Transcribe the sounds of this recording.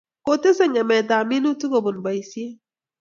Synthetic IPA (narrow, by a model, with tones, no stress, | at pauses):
ko˨te˦sɛ˦ɲɛ˨mɛ˨da˨mi˦nu˦tu˦ɡo˨bo˨nba˨i˨si˦e˦